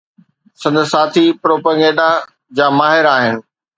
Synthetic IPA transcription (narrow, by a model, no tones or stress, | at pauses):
sɐ̃nd̪saːt̪ʰipɾoːpəɡeːɖa | d͡ʑaːmaːɦɪɾaːɦɪnɪ̆